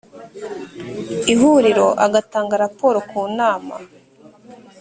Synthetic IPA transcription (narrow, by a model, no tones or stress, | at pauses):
iɦuɾiɾo̞ʔaɡataːŋɡaɾapo̞ːɾokuːnaːma̰